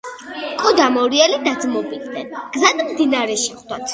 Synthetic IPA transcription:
kʼɔd̪amɔɾiɛlid̪ad̪zmɔbid̪ʰnɛnɡ̥zad̪md̪inaɾɛʃɛχd̪̥at̪ʰ

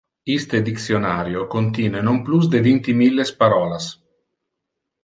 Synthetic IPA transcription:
ist̪ed̪iksjonaːɾjokont̪iːnenomplus̬d̪evint̪imilːespaɾɔːlas

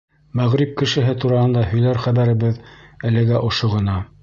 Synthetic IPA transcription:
mæʁɾip̚kɘ̆ʃɘ̆ɦɘt̪uɾɑhɤ̆nd̪ɑhɵ̆jlæɾχæβæɾɘ̆βɘðælɘ̆ɡæʔŏʃoʁɤ̆nɑ

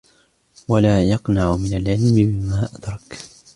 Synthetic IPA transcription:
walaːjɑqnaʕʊmɪnalʕɪlmɪbɪmaːʔad̪̥ɾˤɑk

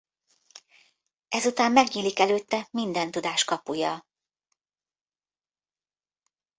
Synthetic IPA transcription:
ʔɛzut̪aːmmɛɡɲiːlikɛløːt̪ːɛmind̪ɛnt̪ud̪aːʃkɒpujɒ

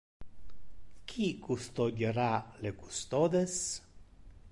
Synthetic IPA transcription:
kʰikust̪odeɾalekust̪od̪es

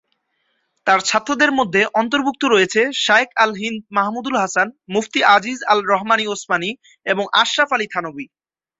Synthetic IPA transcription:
t̪aɾt͡ɕʰat̪ːɾod̪eɾmod̪ʱːeʔɔnt̪̬oɾbuk̚t̪oɾojet͡ɕʰeʃaekalɦind̪̚maɦmud̪ulɦasanmuft̪iad͡ʑizalɾɔɦmaniosmani | eboŋʔa̰ʃːafalit̪ʰanobi

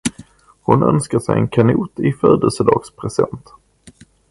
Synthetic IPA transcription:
hʊnœ̰nskaʂɛjɛ̰nkʰanuːt̪ɪfœːd̪əlsəd̪ɑːɡspʰɾɛsɛnt̪

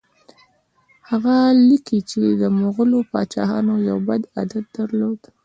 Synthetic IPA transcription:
haɣalikit͡ʃed̪əmoɣəlopɑ̰t͡ʃɑ̰hɑ̰nojawbad̪a̰d̪at̪̚d̪aɾlod̪̥

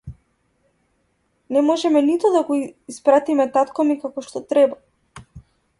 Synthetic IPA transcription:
nɛmɔʒɛmɛnit̪ɔd̪aɡɔispɾat̪imɛt̪at̪kamikakɔʃt̪ɔt̪ɾɛba

